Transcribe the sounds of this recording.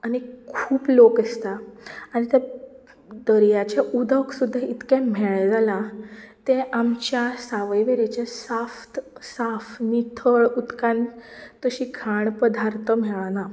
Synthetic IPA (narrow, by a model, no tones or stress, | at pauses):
añikʰuːplokest̪aːñit̪ɛ | d̪əɾjat͡ɕaʔud̪əksud̪ʱːait̪kɛm̤eɭɛd͡zalat̪ẽʔamt͡ɕjasaʋəjʋeɾet͡ɕesaft̪safnit̪ʰəɭut̪kãnt̪əɕikʰaɳpəd̪ʱaɾt̪ʰəm̤ɛɭana